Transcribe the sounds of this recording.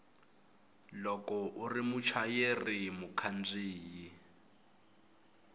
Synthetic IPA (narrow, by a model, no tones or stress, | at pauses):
lɔkɔʔurimut͡ʃʰajerimukʰand͡ziːji